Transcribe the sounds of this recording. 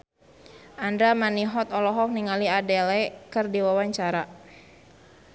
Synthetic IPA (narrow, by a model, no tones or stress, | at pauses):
ʔandɾamaniɦɔt̪ɔlɔɦɔk̚niŋaliadɛlɛkɨrdiwawaɲt͡ʃaɾa